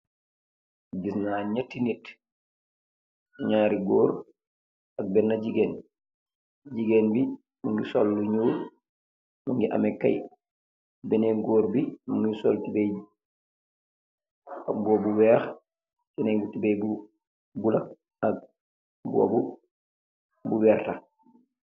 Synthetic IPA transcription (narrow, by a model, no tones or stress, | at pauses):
ɡisnaɲatːinit | ɲaːɾiɡɔːɾ | ak̚bɛnːad͡ʒiɡɛn | d͡ʒiɡɛnbi | muŋɡisolːuɲuːɾ | muŋɡiʔa̰mɛkːa̰j | bɛneŋɡoːɾbimaŋɡisoltibej | ak̚bɔːbuwɛːx | tɛneŋbutibejbu | bulak̚ | ak̚ | buo̰bu | buwɛrta